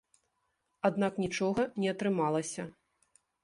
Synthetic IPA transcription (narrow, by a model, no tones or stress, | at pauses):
ad̪naknʲit͡ʂɔɣɐnʲɛɐt̪ɾɨmalˠɐsʲɐ